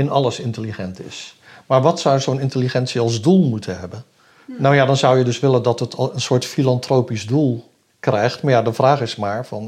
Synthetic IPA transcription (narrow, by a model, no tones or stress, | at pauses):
ɪnɑləsɪntəliχɛntɪ̰s | maːɹʋɑtsɔwzownɪntəliχɛntsiɑlˠzdulˠmutʰənɦɛbən | nawjaːdɑnzʌwjədɵsʋɪləndɑtətənsʊːɹtfilɑntrowpizdulˠ | krɛjχtmaːɹjadəvraːχɪsmaːɹvɑn